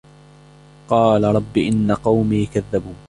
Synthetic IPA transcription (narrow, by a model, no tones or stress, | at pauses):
qɑːlaɾˤɑbːɪʔɪnːaqɑwmiːkaðːabuː